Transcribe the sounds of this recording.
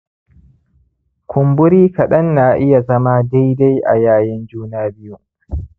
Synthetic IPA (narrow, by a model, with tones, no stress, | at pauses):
kʰʷʊ˨mbʊ˦ɾiː˦kɐ˨ɗɐ˦nːa˨ʔɪ˦ja˨zɐ˦maː˦da˦jda˦jʔa̰˨jaː˦jɪ˦nd͡ʒuː˦naː˦bɪ˦ju˦˨